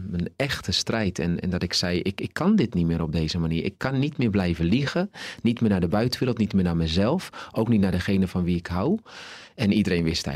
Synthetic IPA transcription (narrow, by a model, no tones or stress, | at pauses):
mənɛxtʰəstrɛjtʰɛ̰nɛ̰ndɔtɪksɛjɪkɪkʰːɑndɪtnitmɪːɾɔb̚dejzəmaniːɹʔɪ̰kʰːɑnːitmɪːɹblɛjvəliɣənitmɪːnaːdəbœɥtənʋɪːɾl̩ˠtnitmɪːnaːmɛjzɛlˠfʔowknitnadəxejnəfɔnʋiɪkɦaw | ɛnidəɾejnʋɪstɛ̰